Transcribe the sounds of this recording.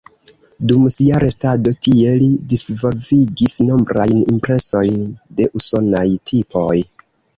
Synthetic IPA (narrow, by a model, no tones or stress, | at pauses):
dumsiaɾe̞stado̞tie̞lidisvo̞lviɡisno̞mbɾajnimpɾe̞so̞jnde̞ʔuso̞najtʰipo̞j